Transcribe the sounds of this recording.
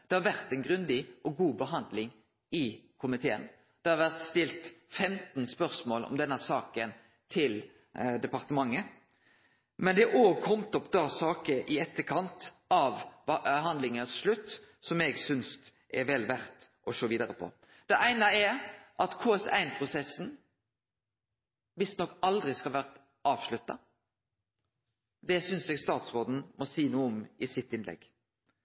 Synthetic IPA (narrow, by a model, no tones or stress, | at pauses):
d̪̥ɛhɑɾʋæɾt̪æɪnɡɾʉnd̪ɪʔɔɡuːbəɦɑnd̪lɪŋ | ɪkʰʊmɪt̪ʰeːə̰n | d̪̥ɛhɑɾʋæʁt̪st̪ɪlt̪fɛmt̪nspœɾsmoːlʔɔ̰md̪ɛnːəsɑːkən | t̪ʰɪl | d̪ɛpɑʁt̪əmɑŋːə | mɛnd̪ɛæʔoːɡkʰɔmt̪ɔpd̪ɑːsɑːkəʔɪɛt̪ːəkʰɑnt̪ | ɑʋɦɑnd̪lɪŋəsʂlʉt̪ː | sɔmɛɡsʏnst̪ | ʔɛɾʋɛlʋæɾt̪ʔɔʃoːʋiːd̪əɾəpʰɔ̰ | d̪̥ɛʔæɪnɑɛʔɑt̪kʰuːɛsæ̰ɪnpʰʁʊsɛsːn̩ | ʋɪst̪nɔkːɑld̪ʁɪskɑlʋæʁt̪ | ʔɑːʋʃlʉt̪ːɑ̰ | d̪ɛsʏnsɛːɡst̪ɑːt̪sʁoːd̪n̩mɔsiːnuːəɔmɪsɪt̪ːɪnlɛ̰ɡ